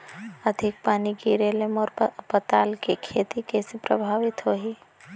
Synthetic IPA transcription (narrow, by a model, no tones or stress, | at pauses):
ɐd̪ʱɪk̚paːnikiɾeːləmɔːɾpət̪aːlkekʰeːt̪ikeːsepɾə̰bʱaːʋɪt̪ɦoːɦiː